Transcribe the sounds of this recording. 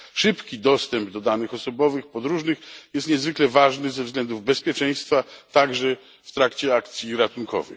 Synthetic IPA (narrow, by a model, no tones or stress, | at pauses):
ʂɘpkʲid̪ɔst̪ɛmbd̪ɔd̪anɘxɔsɔbɔvɘxpɔd̪ɾuʐnɘxjɛst̪ɲɛzvɘklɛvaʐnɘzɛvzɡlɛnd̪uvbɛspʲjɛt͡ʂɛj̃st̪fat̪aɡʐɛ | ft̪ɾakt͡ɕɛakt̪sʲjiɾat̪unkʰɔ̰vɛ̰